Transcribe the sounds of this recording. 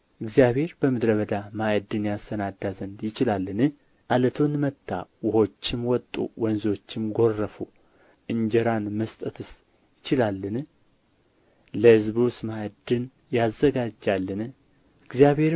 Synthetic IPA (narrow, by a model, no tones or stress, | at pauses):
ʔɨɡzijaβhe̞ɾbəmɨd̪ɾəβəd̪amajd̪ɨnjasənad̪azənd̪jɪt͡ʃɪlalːɨnɨ | ʔalət̪ʰunmət̪ːa̰wʊho̞t͡ʃːɪmwɔt̪ʼːṵwənzo̞t͡ʃːɪmɡo̞rːəfu | ʔɨɲd͡ʒɛɾanməst̪ʼət̪ʰɨs | jɪt͡ʃɪlalːɨn | ləhɨzbusmajd̪ɨn | jazːəɡad͡ʒalːɨn | ɨɡzijaβhe̞ɾ